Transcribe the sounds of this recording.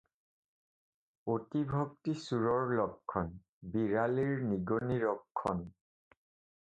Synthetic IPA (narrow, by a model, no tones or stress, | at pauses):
otibʱok̚tisuɹɔɹlɔkʰːɔn | biɹaliɹniɡoniɹɔkʰːɔn